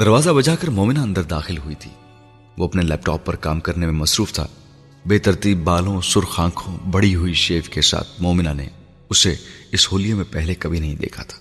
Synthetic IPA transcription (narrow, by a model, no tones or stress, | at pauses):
d̪ɐɾʋaːzabɐd͡ʒakɐɾmɔːmɪnaɐ̃nd̪əɾd̪aːxɪlɦʊit̪ʰḭː | ʋoːɐpnelɛ̰ːp̚ʈɔːpːɐɾkaːmkɐɾnemẽmɐsɾuːft̪ʰa̰ː | beːt̪ɐɾt̪iːbbaːlõsʊɾxãːkʰõbɐɽ̤iɦʊiʃeːfkesa̰ːt̪ʰmɔːmɪnanḛ | ʊseɪshoːlijemẽpɛɦlekɐbʱinɐɦĩd̪ḛːkʰa̰t̪ʰḁː